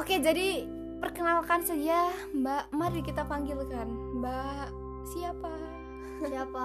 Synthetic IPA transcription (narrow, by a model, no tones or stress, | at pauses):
oked͡ʒadi | pərkənalkansad͡ʒambamaɾikit̪apaŋɡilkanba | siapa | apa